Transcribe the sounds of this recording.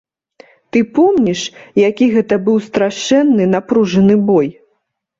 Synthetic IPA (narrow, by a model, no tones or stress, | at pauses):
t̪ɨpɔmnʲiʂjakʲiɣɛt̪ɐbɨwst̪ɾaʂɛnːɨnapɾuʐɐnɨbɔj